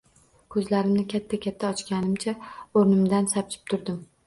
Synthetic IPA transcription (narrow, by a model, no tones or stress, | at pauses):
kʰɵzlaɾɪmnɪkʲʰat̪ʰːakʲʰat̪ʰːaɒt͡ʃkʲanɪmt͡ʃʰaoɾnɪmd̪ansap̚t͡ʃʰɪ̥p̚t̪ʰʊɾd̪ɪm